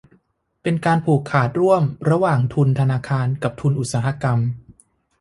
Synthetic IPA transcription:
pe˧nkaː˧npʰuː˨˩kʰːaː˨˩t̪̚ɾu˥˩əmɾa˧waː˨˩ŋt̪ʰu˧nt̪ʰa˧naː˧kʰaː˧nka˨˩p̚t̪ʰu˧nʔu˨˩t̪̚saː˩˦ɦa˧ka˧m

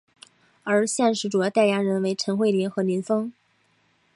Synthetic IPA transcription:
ə˞˧˥ɕjɛ˥˧nʂɻ̩˧˥˩ʈ͡ʂu˨˩jʊt̪a˥˩ɪja˥ɻə˧˥nwe˧˥ɪʈ͡ʂʰɤ˧˥ŋxwe˥˩ɪli˧˥nxɤ˧˥li˧˥nfɤ˥ŋ

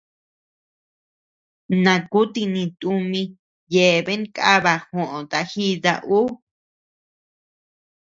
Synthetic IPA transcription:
nã˨˧˨ku˦t̪i˧nĩ˧t̪u˧mĩ˧ | je˨βe˦ŋka˦βa˧hõ˨ʔõ˨t̪a˧xi˦ða̰˧ʔu˦

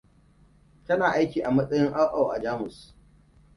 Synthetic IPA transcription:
tɐ˦naː˨ʔa˦jkʲiː˨ʔa˨mɐ˦sʼɐ˦jɪ˦ŋʔa˦ʔa˨wʔa̰˨d͡ʒaː˦mʊ˨s

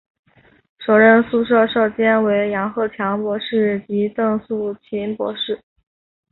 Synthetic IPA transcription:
ʂo˨˩ʊɻə˥˧nsu˥˧ʂɤ˥˧ʂo˥˩ʊt͡ɕjɛ˥nwe˧˥ɪjɑ˧˥ŋxɤ˥˩t͡ɕʰjɑ˧˥ŋpwɔ˧˥ʂɻ̩˥˩t͡ɕi˧˥t̪ɤ˥˧ŋsu˥˩t͡ɕʰi˧˥npwɔ̰˧˥ʂɻ̩˥˩

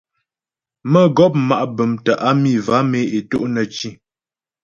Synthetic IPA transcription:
mə˦˨ɡɔ˦p̚ma˨ʔbə˨mtə˨ʔa˦mi˦˨va˨˦me˨˦e˨to̰˦ʔnə˨t͡ʃi˦

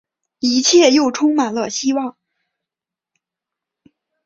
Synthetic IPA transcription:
i˧˥t͡ɕʰjɛ˥˧jo˥˩ʊʈ͡ʂʰʊ˥ŋma˨˩nlə˧ɕi˥wɑ˥˩ŋ

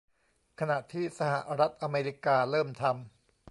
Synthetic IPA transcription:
kʰa˧na˨˩ʔt̪ʰiː˥˩sa˧ha̰˨˩ʔɾa˦˥t̪̚ʔa˧meː˧ɾi˦˥kaː˧ɾɤː˥˩mt̪ʰa˧m

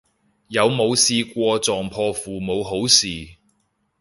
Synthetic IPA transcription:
jɐ˨˧wmo˨˧wsiː˧kʷɔː˧t͡sɔː˨˩ŋpʰɔː˧fuː˨˩mo˨˧wɦo˨˥wsiː˨

